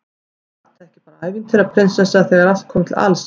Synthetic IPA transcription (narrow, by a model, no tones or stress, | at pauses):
θt̪aɾɛhcɪ̥paːɾaaːjvɪnt̪ʰɪɾaðpʰɾɪnsɛsːaaθɛɣaɾal̥t̪̚kʰɔːmɪt̪ʰɪla̰ls